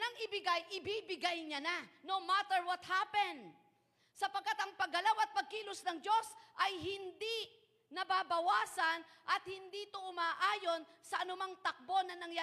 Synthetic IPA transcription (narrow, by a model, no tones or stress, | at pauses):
nɐŋɪbɪɡajʔɪbibɪɡajɲɐnanomat̪ɛɹwɐt̪hapɛnd̪ | sɐpɐɡ̚kːat̪ɐŋpɐɡɐlawɐt̪̚pɐɡ̚kiːlʊsnɐŋd͡ʒo̞sʔɐjɦɪnd̪i | nɐbabɐwaːsɐnʔɐt̪̚hɪnd̪iːt̪oʔʊmaːʔaːjo̞nsɐʔɐnʊmaŋt̪ɐk̚bo̞nɐnɐŋja